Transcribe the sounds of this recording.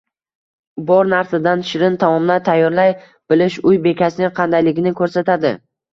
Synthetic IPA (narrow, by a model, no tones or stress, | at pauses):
bɒɾnaɾsad̪anʃɪɾɪnt̪ʰamɒmlat̪ʰajːɒɾlaj | b̥ɪlɪʃʊjbe̞kʲasɪnɪqʰɑnd̪ajlɪɡʲɪnɪkʰɵɾsat̪ad̪ɪ̰